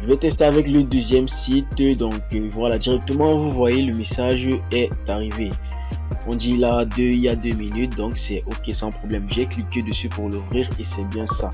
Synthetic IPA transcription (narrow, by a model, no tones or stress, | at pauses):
ʒəvɛt̪ɛst̪eavɛkləd̪øzjɛmsit̪d̪ɔ̃kvwalad̪iʁɛk̚t̪əmɑ̃vuvwajeləmesaʒɛt̪aʁive | ɔ̃d̪ilad̪øiad̪øminyt̪̚d̪ɔ̃ksɛʔokʲesɑ̃pχɔblɛmʒɛkliked̪əsypuʁlufʁiʁesɛbjɛ̃sa